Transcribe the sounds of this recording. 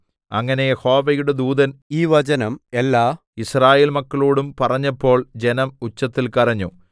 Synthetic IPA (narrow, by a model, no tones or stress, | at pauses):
ɐŋːɐne̞jeho̞ːʋɐjuɽe̞d̪uːd̪ɐniːʋɐd͡ʑɐnɐmelːaː | israːjeːlmɐkːɐɭoːɽumpɐrɐɲːɐpːo̞ːɭd͡ʑe̞nɐmut͡ɕːɐt̪ːilkɐrɐɲːu